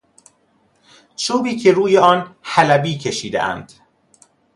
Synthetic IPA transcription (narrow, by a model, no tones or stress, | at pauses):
t͡ʃʰuːbiːcʰeɾuːjeɒːnhælæbiːcʰe̞ʃiːd̪ḛʔæ̰nd̪̥